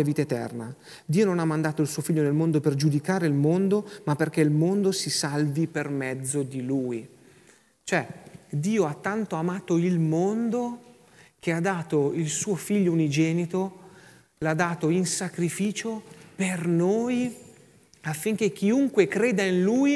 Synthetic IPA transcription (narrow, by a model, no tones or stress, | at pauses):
aviːt̪aet̪ɛ̰rna̰ | d̪iːononamːand̪aːt̪oilsuːofiʎːonelmond̪operd͡ʒud̪ikaːɾeilmond̪omapːerkeilmond̪osisalvipermɛd̪zːod̪iluːj | t͡ʃoɛd̪iːoat̪ːant̪oamaːt̪oilmond̪o | k̟ead̪ːaːt̪oilsuːofiʎːounid͡ʒɛːnit̪o | lad̪ːaːt̪oinsakɾifiːt͡ʃopernoːj | afːiŋk̟ek̟ːiuŋkwekɾeːd̪ainluːj